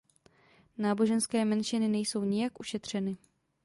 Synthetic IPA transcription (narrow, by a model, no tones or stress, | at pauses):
naːbo̞ʒɛnskɛːmɛnʃɪnɪnɛjso̞wɲɪjakʔuʃɛt̪r̝̥ɛnɪ